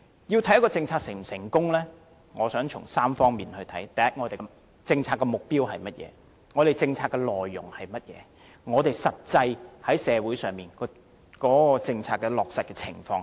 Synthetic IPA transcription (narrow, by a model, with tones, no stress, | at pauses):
jiː˧wt̪ʰɐ˨˥jɐ˥kɔː˧t͡sɪ˧ŋt͡sʰaː˧k̚sɪ˨˩sɪ˨˩ŋkʊ˥ŋlɛː˥ | ŋɔː˨˧sœː˨˥ŋt͡ʃʰʊ˨˩ŋsaː˥mfɔː˥ŋmiː˨nhɵ˧ɥt̪ʰɐ˨˥jt̪ɐ˨˩jɐ˥t̚ŋɔː˨˧t̪e˨˩ | t͡sɪ˧ŋt͡sʰaː˧tkːɛ˧mʊ˨k̚piː˥whɐ˨jmɐ˥t̚jɛ̰ː˨˦ | ŋɔː˨˧ɾe˨jt͡sɪ˧ŋt͡sʰaː˧tkːɛ˧lɔː˨jːʊ˨˩ŋhɐ˨jmɐ˥t̚jɛ̰ː˨˧ | ŋɔː˨˧t̪e˨˩jsɐ˨t̚t͡sɐ˧jhɐ˨˥jsɛː˨˧wu˨˥jsœː˨ŋmiː˨˩nkɔ˧ | kɔː˨˥kɔː˧t͡sɪ˧ŋt͡sʰaː˧t̚kːɛ˧lɔː˨k̚sɐ˨t̚kɛ˧t͡sʰɪ̰˨˩ŋfɔː˧ŋ